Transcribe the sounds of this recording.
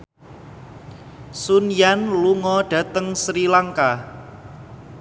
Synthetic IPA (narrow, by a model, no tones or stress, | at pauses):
sunjanluŋɔɖ̥ä̤t̪əŋsɾilaŋka